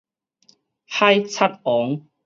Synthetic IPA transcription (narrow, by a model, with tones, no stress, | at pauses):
ha˥jt͡sʰa˥t̪̚ɔ˨˦ŋ